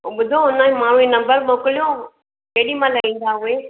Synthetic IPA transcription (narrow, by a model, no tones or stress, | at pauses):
oɓʊd̪ʱõʊnãmãːɳ̤ũẽnɐmbəɾmoːkɪlijõ | keːɗimãlɐɦĩːnd̪aɦʊeː